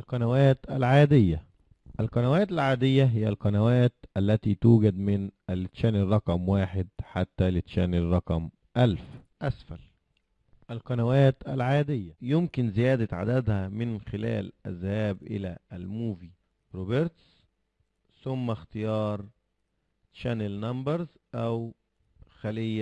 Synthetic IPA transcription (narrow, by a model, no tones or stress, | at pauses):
lqɑnæwæːt̪ʔælʕaːd̪ɪjːæ | ʔælqɑnæwæːt̪ælʕaːd̪ɪjːæɦɪjːælqɑnæwæːt̪ʔælːæt̪iːt̪uːɡæd̪mɪnʔælːɪt̪ʃæːnɪrˤːɑqɑmwaːħɪd̪ħat̪ːælɪt̪ʃæːnerˤːɑqɑm | ʔælfʔæsfæl | ʔælqɑnæwæːt̪ʔælʕaːd̪ɪjːæjɪmkɪnzɪjæːd̪æʕa̰d̪æd̪hæmɪnxɪlæ̰ːlʔæ̰zhæːbʔɪ̰læælmuːvi | ɾoːbeɾt̪s | sʊmːæxt̪ɪjɑːɾˤ | ʃænelnɑmbɑɾz | ʔæw | xælɪjːæ